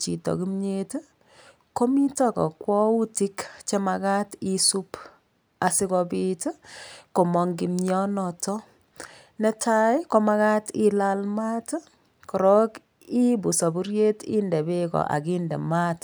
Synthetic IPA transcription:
t͡ʃḭ˨tɔ̰˨ki˦mɲet | ko˦mi˦tɔ˦kɔ̰˨kwɔ˦u˦ti˦kt͡ʃe˦ma˨ka˦ti˦su˦p | a˨si˦kɔ˧bitko˨mɔ˨ŋɡi˨mɲɔ˦nɔ˨tɔ˦ | nɛ˦tʰa˦jkɔ˦ma˦ka˦tilalma˦t | kɔ˨ɾɔ˦k | i˦bu˨sa˨bu˦ɾje˦tḭ˦ndɛ˨be˦kɔ̰˨ʔa̰˨ki˦ndɛ̰˨ma˦t

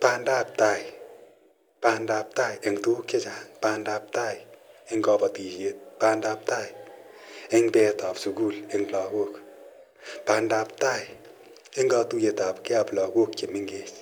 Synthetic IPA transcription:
pa˨nda˦p̚ta˧j | pa˧nda˨p̚ta˦je˨ŋtu˦ke˦t͡ʃa˨pa˨nda˧p̚ta˦jɪ˦ŋɡɔ˧pɔ˨ti˨ʃe˨t̚pa˧nda˨p̚ta˦j | ɪ˦ŋpɛ˨ta˨psu˨ku˦lɪ˨ŋlɔ˨ko˦k | pa˧nda˨˧p̚ta˦j | ɪ˦ŋɡɔ˧tu˦je˨ta˨pke˦a˨plɔ˨ɡo˦k̚t͡ʃe˨mɪ˦ŋɡe˨t͡ʃ

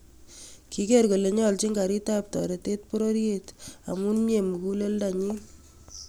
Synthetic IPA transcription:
ki˦ke˦rko˨le˨ɲɔ˦lt͡ʃi˦ŋɡa˨ɾi˦ta˦p̚tɔ̰˨ɾe˨te˦t̚po˦ɾo˦ɾjeta̰˨mu˦nmje˨mu˨ku˦le˦lda˨ɲi˦n

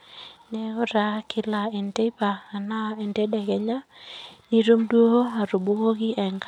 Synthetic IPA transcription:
nɛ˨ʊ˦ɾa˦kʰɪ˦la˨e˨nte˦paː˨na˦e˨nte˦dɛ˨ɡɛ˨ɲa˦ni˦ɾo˦mdwo˦o˦a˨ɾu˨bo˦ko˦ɡɪ˦ʔɛ˨ŋɡ

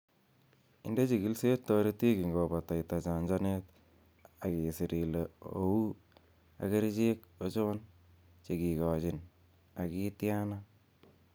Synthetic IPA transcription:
ɪ˦nde˦t͡ʃi˨ki˦lse˦tɔ˦ɾi˦ti˦ki˨ŋɡo˨ba˨ta˨jta˨t͡ʃa˨ɲd͡ʒa˦net | a˨ki˨si˨ɾi˨leo̰˨u˦ | a̰˨ke˦ɾt͡ʃe˦k̚o˦t͡ʃo˦ɔ˦n | t͡ʃe˨ki˨kɔ˨t͡ʃɪ˨n | a˨ki˦tja˦na

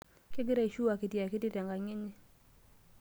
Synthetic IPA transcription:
kɪ˦ɡɪ˦ɾa˦i˨ʃu˦a˨kɪ˨tja˨kɪ˦tɪ˦ta˨ŋɡa˨ŋɪ˦ɲɪ˦

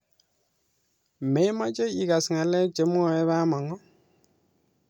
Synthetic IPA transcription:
mɛ˨jma˦t͡ʃe˦i˨ka˨sŋa˨lɛ˦t͡ʃe˨m˦ɔ˨ɛ˦βa˦ma˨ŋɔ˦

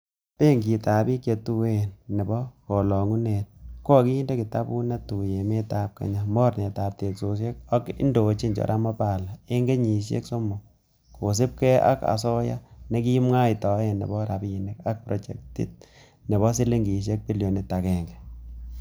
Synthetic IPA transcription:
pe˦ŋɡi˨ta˨bi˦kje˨tu˦we˦nːe˨bɔ˦kɔ˨lɔ˨ŋu˦net̚kɔ˦˨ki˦i˦nde˦ki˨ta˦bu˦na˦tu˨je˨me˦ta˦p̚ka̰˨ɲa˦mɔ˦ɾne˨ta˨p̚te˨kso˨sje˦k̚a˦kḭ˦ndo˨t͡ʃi˦ɲd͡ʒɔ̰˨ɾʔa˦mɔ˦pa˨la˨e˦ŋɡe˦ɲi˨ʃḛ˦kso˦mo˨ | ko˨s̬i˦p̚kɛ˦a̰˦ka̰˨sɔ˦ja̰˦ne˦ki˦i˦mŋa˦i˨tɔ˨˦e˨nḛ˨bɔ˦ɾa˨bi˦ji˨nɛ˦ka˦k̚pɾo˨t͡ʃɛ̰˨k̚tḭ˦t̚ | ne˨βɔ˦s̬i˦le˦ŋɡi˨ʃ̬e˦k̚pi˦ljo˨ne˨ta˨kɛ˨ŋɡɛ˨

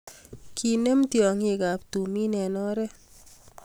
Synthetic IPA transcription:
kʰi˨ne˦mtjɔ˨ŋi˦˨ka˨ptu˨mi˦nɛ˨nɔ˦ɾɛ˦

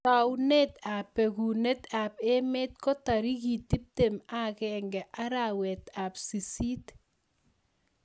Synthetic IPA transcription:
ta˨wne˦t̪a˨pːe˨ɡu˨ne˦t̪ape˦me˦t̪̚kɔ˦ta˨ɾi˦ki˨t̪i˦p̚tema˦kɛŋɡɛ˨ʔa˦ɾawɛ˨t̪a˨psi˨si˦t

